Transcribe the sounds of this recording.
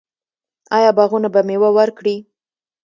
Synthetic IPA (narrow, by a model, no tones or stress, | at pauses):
ɑjɑbaɣunabamewawəɾkɽi